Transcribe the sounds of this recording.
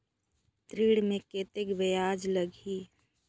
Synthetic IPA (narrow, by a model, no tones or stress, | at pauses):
t̪ɾiːɽmẽkeːt̪ekbejaːd͡ʒləɡʱiː